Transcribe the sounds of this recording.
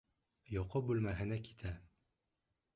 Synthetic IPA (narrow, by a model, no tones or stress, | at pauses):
jɒqɤbʉlmæɦɘ̆næki̥t̪ʰæ